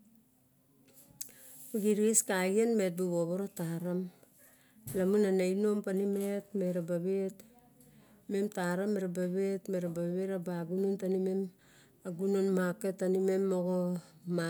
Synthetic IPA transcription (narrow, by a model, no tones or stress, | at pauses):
oɡiɾieskaɡianmet̚buβoβoɾotaɾam | lamunanajno̞mpanimetmeɾabaβet | memtaɾamːeɾabaβetme̞ɾabaβeɾabaɡunontanimem | aɡunonmaketːanimemoɡoma